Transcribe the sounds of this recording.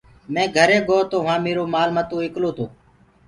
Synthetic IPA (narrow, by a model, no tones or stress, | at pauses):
mɛ̃ːɡʱəɾeːɠoːt̪oːʋãːmeːɾoːmaːlmət̪õːɪkloːt̪ʰoː